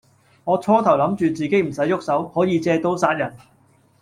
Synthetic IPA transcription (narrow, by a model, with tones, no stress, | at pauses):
ŋɔː˨˧t͡sʰɔː˧t̪ʰɐ˨˩wlɐ˨˧˥mt͡ʃyː˨˧t͡siː˨ke˨˥jm̩˨˩sɐ˨˥jːʊ˥k̚sɐ˨˥whɔː˨˥jiː˨˧t͡sɛː˧t̪o˨˥wsaː˧t̚jɐ˨˩n